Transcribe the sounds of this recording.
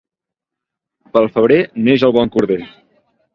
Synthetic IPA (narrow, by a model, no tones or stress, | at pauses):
pəlˠfəβ̞ɾeneʒəlˠβɔŋkuɾðe